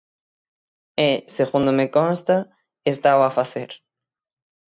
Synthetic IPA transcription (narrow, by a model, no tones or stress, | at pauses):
ɛseɣund̪omekɔ̃nst̪ɐ | est̪awafaθeɾ